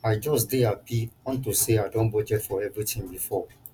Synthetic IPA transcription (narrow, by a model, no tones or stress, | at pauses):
ajd͡ʒɔsdeapʰiɔ̃ntuseaɪdɔ̃nbod͡ʒɛtfɔɛvɹitĩŋbifɔ